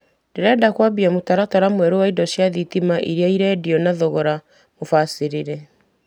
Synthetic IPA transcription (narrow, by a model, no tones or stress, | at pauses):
d̥eɾɛdakwabiamotaɾataɾamwɛɾowaidɔsjaðitimaʔiɾeaiɾɛdiɔnaðɔɣɔɾa | mofasiɾiɾɛ